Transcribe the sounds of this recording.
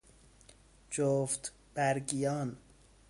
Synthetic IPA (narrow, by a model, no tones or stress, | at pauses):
d͡ʒoft̪ | b̥æɾɡijɒːn